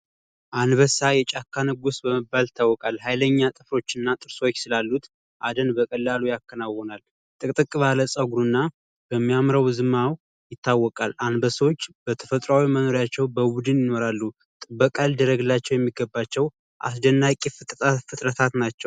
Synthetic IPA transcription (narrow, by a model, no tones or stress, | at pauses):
ʔanbəsajɛt͡ʃʼakːanɨɡusbəməbːalɪt̪ʰːawːɔkʼalhajləɲːat̪ʼɨfɾo̞t͡ʃːɪnːat̪ʼɨɾso̞t͡ʃːsɨlalːut̪ | ʔad̪ənbəkʼəlːalujakːənawɔnal | t̪ʼɨkʼt̪ʼɨkʼːβaləsʼəɡɾunːa | b̥əmːijamɾəwzɨmaw | jɪt̪ʰːawːɔkʼalanbəsəwot͡ʃːbət̪ʰə̥fət̪ʼɾawiməno̞ɾjat͡ʃːɛwbəbud̪ɨnjɪno̞ɾalːu | t̪ʼɨbːəkʼald̪əɾəɡɨlːat͡ʃːɛwjɛmːiɡəbːat͡ʃːɛw | ʔa̰s̬d̪ənːakʼifɨt̪ʼafɨt̪ʼɾət̪ʰat̪nat͡ʃːɛw